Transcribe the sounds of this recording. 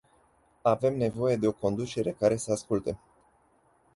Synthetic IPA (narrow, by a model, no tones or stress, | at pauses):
ave̞mne̞vo̞je̞d̪e̞o̞ko̞nd̪ut͡ʃe̞ɾe̞kaɾe̞səaskult̪e